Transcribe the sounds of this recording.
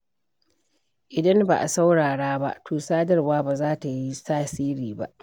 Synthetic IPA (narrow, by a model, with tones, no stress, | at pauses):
ʔɪ˨dɐ˦mba̰˨ʔa̰˨sa˦wɽaː˨ɽaː˦ba̰˦ʔtʰuː˨saː˦dɐ˦˨rwaː˦baː˨zaː˦ta˨ji˦saː˦siː˦ɾiː˨ba̰˦ʔ